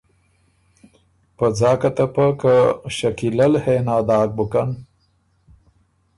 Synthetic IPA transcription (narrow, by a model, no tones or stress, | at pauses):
pəd͡zɑːkat̪ɐpɐkəʃɐkilɐlhenaːd̪ɑːk̚bukan